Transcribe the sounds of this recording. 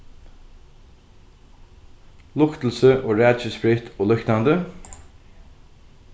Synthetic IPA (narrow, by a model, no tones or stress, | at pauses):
lʊkt̪l̩səʔoːɾæːd̪t͡ʃəspɾɪt̪ʰoːlœkt̪and̪ə